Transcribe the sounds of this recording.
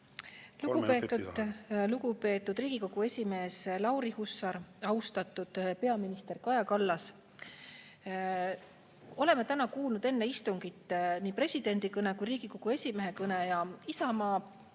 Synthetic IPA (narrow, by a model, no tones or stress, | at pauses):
luupeuluɡupe̞ːt̪ːˑud̪̥riːɡ̥iko̞ɡ̥ue̞sʲime̞ːslɑwɾihusɑɾɑwst̪ɑt̪ːˑud̪̥pe̞ɑminist̪e̞rkɑjɑkɑlːɑs | o̞le̞mːet̪ænɑkuːlnud̪e̞nːe̞ist̪uŋɡ̥it̪ːniːpre̞sʲid̪̥e̞nʲd̪̥ikɤnekujɾiːɡ̥iko̞ɡ̥ue̞sʲime̞ɦe̞kɤnejɑisɑmɑː